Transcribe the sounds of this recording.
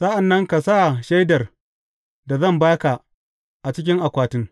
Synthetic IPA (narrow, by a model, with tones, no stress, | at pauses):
sa˦ʔa˨nːɐ˦ŋka˨sa˦ʔʃa˦jdɐ˨r | da˨zɐ˦˨mbaː˦ka˨ | ʔa˨t͡ʃɪ˦kʲɪ˦ŋʔa˨kʷaː˨tɪ˦ŋ